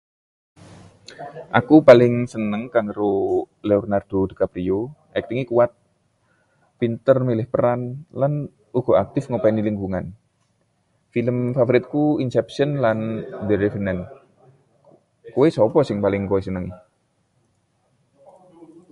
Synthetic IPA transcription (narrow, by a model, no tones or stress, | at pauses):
ʔakupalɪŋsənəŋkaŋəɾo | leɔrnard̪̥od̪ə̤kapɾioʔɛk̚t̪iŋikuwat̪̚ | pint̪ərmilɪhpəɾanlan | uɡ̥ɔak̚t̪ɪfŋopaniliŋɡuŋan | filəmfafoɾɪt̪̚kuinsɛpsənlandeɾefənɛn | kowesɔpɔsɪŋpalɪŋkowesənəŋ